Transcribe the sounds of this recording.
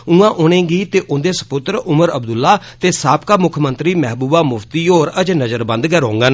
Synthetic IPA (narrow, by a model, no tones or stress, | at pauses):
ũːãːʔʊːnẽːɡiːt̪eːʔʊnd̪eːsə̥pʊt̪ɾʊməɾəbd̪ʊlːaː | t̪eːsaːpkaːmʊkʰmənt̪ɾiːmɛɦbuːbaːmʊft̪iːoːɾəd͡ʒnəzəɾbə̃nd̪ɡɛːɾɦõːŋɡaːn